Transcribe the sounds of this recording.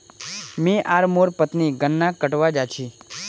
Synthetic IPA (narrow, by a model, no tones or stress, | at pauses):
mĩʔaɾmoɾpət̪niɡənːakːəʈʋad͡ʒat͡ʃʰi